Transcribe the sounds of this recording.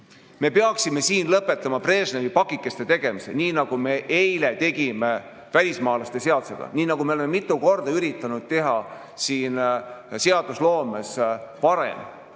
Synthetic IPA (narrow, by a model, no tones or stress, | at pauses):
me̞peɑksime̞siːnlɤpːˑe̞t̪ːˑɑmɑpre̞ːsneɾipɑkːˑikːˑest̪e̞t̪e̞ɡ̥e̞miseniːnɑɡ̥ume̞ʔejle̞t̪e̞ɡ̥ime̞ | vælʲismɑːlɑst̪e̞se̞ɑd̪̥u̥se̞̰ɡ̥ɑ̰niːnɑɡ̥ume̞olememit̪ːˑuko̞rd̪̥ɑyɾit̪ːˑɑnud̪̥̚t̪e̞ɦɑ | siːnse̞ɑd̪̥uslo̞ːmespɑɾe̞̰m